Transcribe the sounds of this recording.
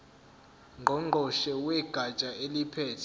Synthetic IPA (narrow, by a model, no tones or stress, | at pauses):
ŋɡʱɔŋ͡ǃʱɔʃɛwɛɡ̥ʱat͡ʃʼaelipʰɛːtʰɛ